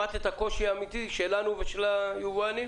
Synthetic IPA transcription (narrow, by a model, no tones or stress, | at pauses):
at̪ethako̞ʃiaːmit̪iʃelanuveʃelajuvani